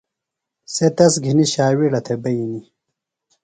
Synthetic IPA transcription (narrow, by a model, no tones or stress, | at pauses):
set̪ɐsɡʱiniɕaːwiɽɐt̪ʰebɐjini